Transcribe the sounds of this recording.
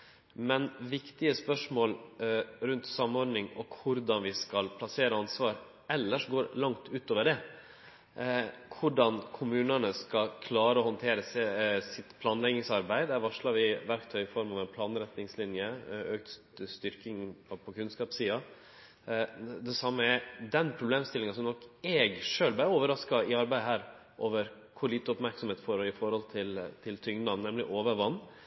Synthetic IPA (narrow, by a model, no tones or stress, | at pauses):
mɛnʋɪkt̪ɪəspœʂmoːlɾʉnt̪sɑmːɔɾnɪŋɔkʰʊɾd̪ɑnʋɪskɑlpʰlɑseːɾəɑnsʋɑːɾ | ɛlːəʂɡoːɾlɑŋt̪ʰʉːt̪oːʋəɖɛ | kʰʊɖɑnkʰʊmʉːnənəskɑkʰlɑːɾəɔhɔnt̪ʰeːɾəssɪt̪pʰlɑːnlɛɡnɪŋsɑɾbæɪd̪æɾʋɑʂlɑɾʋɪʋæɾkt̪ʰœʏɪfɔɾmɑʋɛnpʰlɑːnɾɛt̪nɪŋslɪnjəøːk̚t̪ | st̪ʏɾkɪŋpʰɔpʰɔkʰʉnskɑːpsiːɑ | d̪ɛsɑmːəɛd̪ɛnpʰɾʊbleːmst̪ɪlɪŋɑnsɔmnɔkːɛɡʂøːlbæɾoːʋəɾɑskɑɪɑɾbæɪd̪ɦæːɾ | ʔoːʋəɾ | kʰʊɭiːt̪əɔpmæɾksɔmheːt̪foːɾɔɪfɔɾhɔlt̪ʰɪlt̪ʰɪlt̪ʰʏŋd̪ɑnnɛmlɪʔoːʋəɾʋɑnː